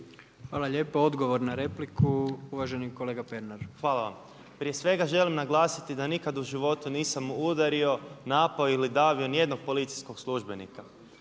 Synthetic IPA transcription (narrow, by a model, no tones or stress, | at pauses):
xʋaːlˠaʎe̞ːpoo̞d̪ɡo̞ʋoɾnaɾe̞plikuuʋaːʒeniko̞leːɡapeɾnaɾxʋaːlˠaʋa̰m | pɾije̞sʋe̞ɡaʒe̞limnaɡlˠaːsit̪id̪anikad̪uʒiʋo̞t̪uniːsamːuud̪aɾio̞naːpaoilid̪aːʋio̞nije̞d̪noɡ̚po̞lit̪sijsko̞ɡslˠuʒbe̞nḭka